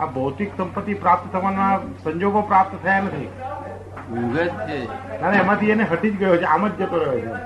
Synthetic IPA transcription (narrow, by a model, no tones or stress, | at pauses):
abəwt̪iksəmpət̪ːipɾap̚t̪ət̪ʰəʋanasəɲd͡ʒoɡopɾap̚t̪t̪ʰəjanət̪ʰi | uɡət̪t͡ʃʰek̪aɾeːmãt̪ieneɦəʈid͡ʒɡəjot͡ʃʰeaməd̪d͡ʒət̪oɾəjot͡ʃʰe